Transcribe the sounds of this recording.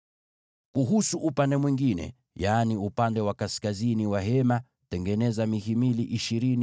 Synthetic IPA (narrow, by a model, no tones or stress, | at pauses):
kuɦusuʔupandɛmwiŋɡinɛ̰ | jaːniupandɛwakaskaziniwaɦɛma | tɛŋɡɛnɛzamihimiliʔiʃiɾini